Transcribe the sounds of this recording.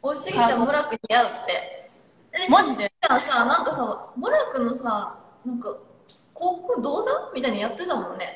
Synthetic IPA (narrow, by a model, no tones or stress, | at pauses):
oɕiɡʲit͡ɕãmoɾakɯ̟ɲijaɯ̟t̪ːe̞ | d̪eãsanãŋkasamoɾakɯ̟nosa | nãŋka | ko̞ːkokɯ̟d̪oːd̪ãmʲit̪aiɲijat̪ːe̞t̪amõ̞nːe̞